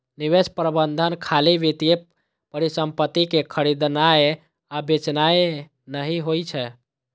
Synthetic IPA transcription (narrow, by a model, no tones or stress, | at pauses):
niʋespɾəbənd̪ʱənkʰaliʋit̪ie | pəɾisəmpət̪ːikekʰəɾid̪nae | abet͡ʃnae | nəɦiɦojt͡ʃʰɛ